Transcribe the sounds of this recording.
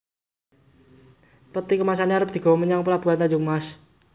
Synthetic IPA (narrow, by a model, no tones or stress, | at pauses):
pət̪ikəmas̬aniaɾəp̚d̪̥i̤ɡ̥a̤wməɲaŋpəlab̥uɦant̪ad͡ʒʊmas